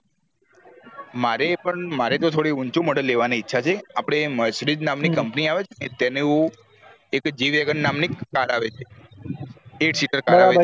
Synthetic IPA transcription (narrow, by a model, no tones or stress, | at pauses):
maɾepəɳmaɾet̪ot̪ʰoɽiunt͡ʃuməɖəlːeʋaniːtːʃʰat͡ʃʰeapɽ̃eməsɾid̪namnikəmpniaʋet͡ʃʰenet̪ɛneũ | ekd͡ʒiʋeɡənːamnikkːaɾaʋet͡ʃʰe | eʈsiʈəɾkaɾaʋe